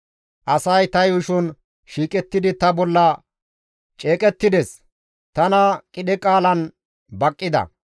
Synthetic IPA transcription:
ʔɐsɐjt̪ɐjʊʃʊn | ʃiːkʼɛt̪ːɪd̪ɪt̪ɐbɔlːɐ | t͡ʃʼe̞ːkʼɛt̪ːɪd̪ɛs | t̪ɐnɐkʼɪɗɛkʼaːlɐn | bɐkʼːɪd̪ɐ̰

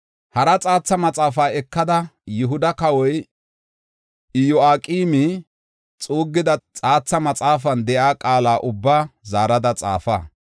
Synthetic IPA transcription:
hɐɾɐt͡sʼaːt͡sːɐmɐt͡sʼaːfaːɛkːɐd̪ɐjɪɦʊd̪ɐkɐwɔj | ɪjɔaːkʼiːmi | t͡sʼuːɡːɪd̪ɐt͡sʼaːt͡sːɐmɐt͡sʼaːfɐnd̪ɛʔaːkʼaːlaːʔʊbːaːzaːɾɐd̪ɐt͡sʼa̰ːfa̰ː

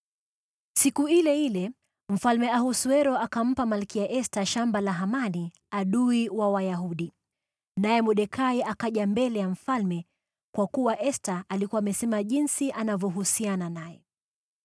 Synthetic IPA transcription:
sikuilɛhilɛ | m̩falmɛahusuɛɾɔʔakam̩pamalkijaʔɛstaʃambalaɦamani | aɗuiwawajaɦuɗi | najɛmuɗɛkʰaiakaʄambɛlɛjam̩falmɛ | kwakuwaʔɛstaʔalikuwaːmɛsɛmaʄinsiʔanavjɔɦusiananajɛ

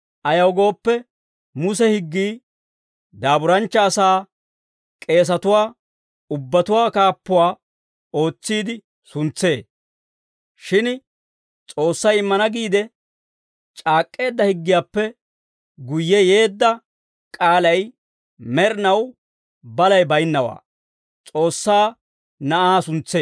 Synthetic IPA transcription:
ʔɐjɐwɡo̞ːpːɛ | mʊsɛhɪɡːiː | d̪aːbʊɾɐnt͡ʃːɐːsaː | kʼe̞ːs̬ɐt̪ʊwaː | ʊbːɐt̪ʊwaːkaːpːʊwaː | o̞ːt͡sːiːd̪ɪ | sʊnt͡sːe̞ː | ʃɪn | t͡sʼo̞ːsːɐjɪmːɐnɐɡiːd̪ɛ | t͡ʃʼaːkʼːe̞ːd̪ːɐhɪɡːɪjaːpːɛ | ɡʊjːɛje̞ːd̪ːɐ | kʼaːlɐj | mɛɾnɐw | bɐlɐjbɐjɪnːɐwa̰ː | t͡sʼo̞ːsːaː | nɐʔaːsʊnt͡sːeː

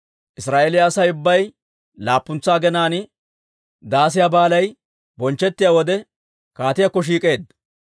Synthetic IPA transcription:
ʔɪsɾaːʔelɪjaːsɐjʊbːɐj | laːpːʊnt͡sːaːɡɛnaːnɪ | d̪aːs̬ɪjabaːlɐj | bɔnt͡ʃːɛt̪ːɪjaːwɔd̪ɛ | kaːt̪ɪjakːɔʃ̬iːkʼe̞ːd̪ɐ

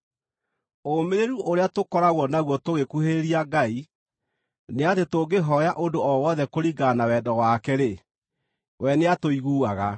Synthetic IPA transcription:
omeɾeɾuʔoɾeatokɔɾaɣwɔnaɣwɔtoɣekuheɾeɾiaɡai | neatetoɡeɦɔjaʔondoɔwɔðɛkoɾiɡanawɛdɔɣwaːkɛɾe | wʔɛneatoiɣuːaɣa

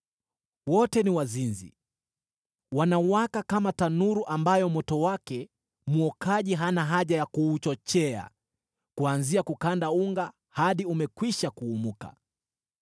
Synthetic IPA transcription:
wɔtɛniwazinzḭ | wanawakakamatanuɾuʔambajɔmɔtɔwakɛ | muɔkaʄiɦanaɦaʄajakuːt͡ʃɔt͡ʃɛa̰ | kuanziakukandauŋɡa | haɗiumɛkwiʃakuːmuka̰

